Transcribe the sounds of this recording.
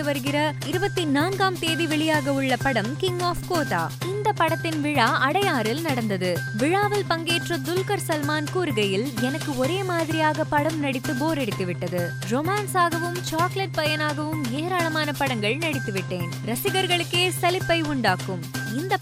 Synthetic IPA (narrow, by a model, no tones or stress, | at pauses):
ɯʋɐɾɯɣɪɾɐɪɾɯbɐt̪ːinaːnɡaːmt̪eːðiʋɛɭɪjaːɣɐʊɭːɐpɐɽɐmkɪŋɡaːfkoːʈa̰ːɪnd̪ɐpːɐɽɐt̪ːɪnʋɪɻaːʔɐɽɐjaːɾɪlnɐɽɐnd̪ɐðɯʋɪɻaːʋɐlpɐŋɡeːʈrɐd̪ʊlkɐɾsɐlmaːnkuːɾɯɣɐjɪlɛnɐkːɯɔɾeːmaːðɪɾɪjaːɣɐpɐɽɐmnɐɽɪt̪ːɯboːɾɛɽɪt̪ːɯʋɪʈːɐðɯ | ɾɔmaːnsaːɣɐʋɯmt͡ʃaːklɐʈ̚pɐjɐnaːɣɐʋɯmeːɾaːɭɐmaːnɐpɐɽɐŋɡɐɭnɐɽɪt̪ːɯʋɪʈːeːnɾɐsɪɣɐɾɣɐɭɯkːeːsɛlɪpːɐɪʊɳɖaːkːɯm | ɪnd̪ɐ